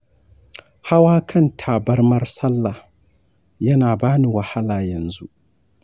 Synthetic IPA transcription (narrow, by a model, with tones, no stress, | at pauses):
ha˦waː˦kʰɐ˦˨ntʰaː˨bɐ˦rmɐ˦rsɐ˦lːa˨h | jɐ˦naː˨baː˦ni˨wɐ˨ha˦laː˨jɐ˨nzu˦ʔ